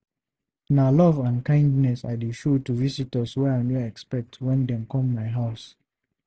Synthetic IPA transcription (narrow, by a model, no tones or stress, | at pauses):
nalɔvãnkãɪ̃ndnɛsa̰deʃotuvisitɔswɛaɪmɛɛkspɛk̚tʰwɛ̃ndɛ̃mkɔ̃mːaɪɦaʊs